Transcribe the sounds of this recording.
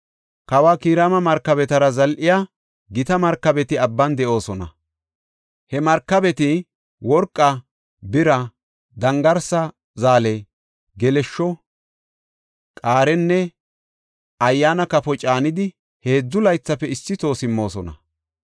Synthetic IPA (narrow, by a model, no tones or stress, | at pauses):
kɐwaːkiːɾaːmɐmɐɾkːɐbɛt̪ɐɾɐzɐlʔɪjaː | ɡɪt̪ɐmɐɾkːɐbɛt̪ɪɐbːɐnd̪ɛʔo̞ːsɔnɐ̰ | hɛmɐɾkːɐbɛt̪ɪ | wɔɾkʼːɐ | bɪɾɐ | d̪ɐŋɡɐɾsɐ | zaːlɛ | ɡɛlɛʃːɔ | kʼaːɾɛnːɛ | ɐjːaːnɐkɐfɔt͡ʃʼaːnɪd̪ɪ | he̞ːd͡zːʊlɐjt͡sːɐpːɛɪsːɪt̪o̞ːsɪmːo̞ːsɔnɐ̰